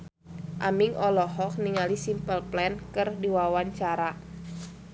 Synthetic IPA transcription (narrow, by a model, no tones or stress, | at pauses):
ʔa̰miŋɔlɔɦɔk̚niŋalisimpəlplɛnkɨrdiwawaɲt͡ʃaɾa